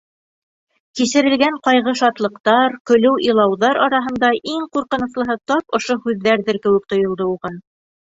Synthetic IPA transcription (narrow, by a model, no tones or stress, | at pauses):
kisɘ̆ɾɘ̆lɡæɴqɑjʁɤʃɑt̪lˠɤ̆qt̪ɑɾkɵ̆lɘwʔilˠɑwðɑɾɑɾɑɦɤ̆nd̪ɑʔiŋquɾqɤ̆nɤ̆slˠɤ̆ɦɤt̪ɑp̚ŏʃohʉðːæɾðɘɾkɘ̆wɘ̆k̚t̪ŏjŏlˠd̪ɤuʁɤn